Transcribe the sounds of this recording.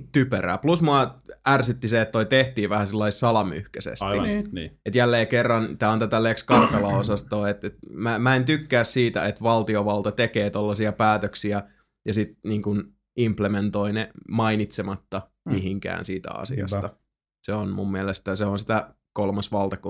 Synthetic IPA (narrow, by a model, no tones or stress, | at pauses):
t̪ypøɾæ̰ːplusmuɑærsyt̪ːiseet̪t̪ːoit̪eht̪iːʋæhæsilːɑissɑlɑmy̰hkæsḛsinːet̪jælːeːkerːɑnt̪æːont̪æt̪ælekskɑrt̪ɑlɑosɑst̪oːet̪et̪mæmæent̪ykːæːssiːt̪æ̰et̪ʋɑlt̪ioʋɑlt̪ɑt̪ekeːt̪olːɑsiɑpæːt̪øksiæ | jɑsit̪niːŋkun | implement̪oinemɑinit̪semɑt̪ːɑ | miɦiŋkæ̰ːnsiːt̪æ̰ɑ̰sḭɑ̰st̪ɑ | seonmumːiælest̪æseonsit̪æ | kolmɑsʋɑlt̪ɑku